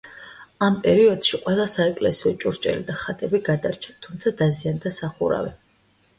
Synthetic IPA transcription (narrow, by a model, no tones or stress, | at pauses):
ampʼɛɾiɔd̪̥ʃiqʼwɛlˠasaɛkʼlɛsiɔt͡ʃʼuɾt͡ʃʼɛ̰lid̪aχat̪ʼɛbiɡad̪aɾt͡ʃʰḁt̪ʰumt̪sʰad̪aziand̪asaχṵɾa̰vɛ